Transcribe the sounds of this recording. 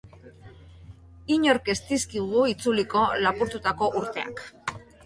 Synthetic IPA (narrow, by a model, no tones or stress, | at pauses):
iɲo̞ɾkest̪iskiɣ̞uit͡suliko̞lapuɾt̪ut̪ako̞ʔuɾt̪e̞a̰k